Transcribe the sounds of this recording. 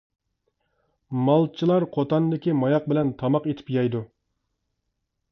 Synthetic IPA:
mɑlˠt͡ʃʰilˠɑɾqʰot̪ɑnd̪ɪkʲimɑjɑq̚bɪlɛnt̪ʰɑmɑqet̪ʰɪ̥pjɑjd̪u

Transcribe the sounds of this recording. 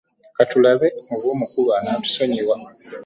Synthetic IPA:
katulaβe̞oβuːmukulwaːnaːtu̥so̞ɲiβwa

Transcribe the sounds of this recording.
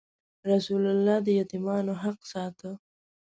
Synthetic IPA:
ɾasulalːɑd̪əjat̪imɑnoɦaq̚sɑt̪ə

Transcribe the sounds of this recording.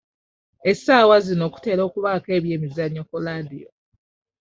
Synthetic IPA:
esaːwazino̞ːku̥te̞ːɾo̞ːkuβake̞ːβje̞ːmizaɲːokuladijo

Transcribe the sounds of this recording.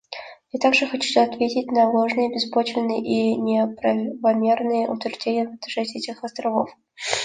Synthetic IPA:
jat̪aɡʐɨxɐt͡ɕu̥sʲuɐt̪vʲetʲɪtʲnɐlˠoʐnɨjəbʲɪspot͡ɕvʲɪnːɨjʔinʲɪpɾɐvɐmʲernɨjəʔʊt̪vʲɪrʐdʲenʲɪjəvt̪ʂɛt̪ʲɛtʲɪxɐst̪ɾɐvo̰f

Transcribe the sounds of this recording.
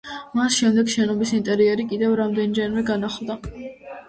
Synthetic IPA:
masʃɛmd̪ɛɡʃɛnɔbisint̪ʼɛɾiɛɾikʼid̪ɛvɾamd̪ɛnd͡ʒɛnvɛɡanaχlˠd̪a

